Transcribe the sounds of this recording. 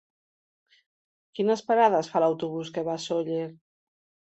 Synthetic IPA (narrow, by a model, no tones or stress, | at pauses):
kinəspaɾaðəsfalawt̪uβ̞uskeβasoʎeɾ